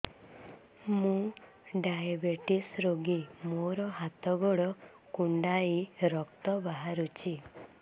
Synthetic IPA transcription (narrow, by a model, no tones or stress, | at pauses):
mũ | ɖajabeʈisɾoɡimoɾɔɦat̪ɔɡɔɽɔ | kuɳɖaiɾɔkt̪ɔbaɦaɾut͡ʃʰi